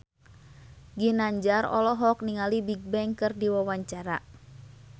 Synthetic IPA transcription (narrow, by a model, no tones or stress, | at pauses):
ɡinaɲd͡ʒarɔ̰lɔɦɔk̚niŋalibiɡ̚bɛŋkɨrdiwawaɲt͡ʃaɾa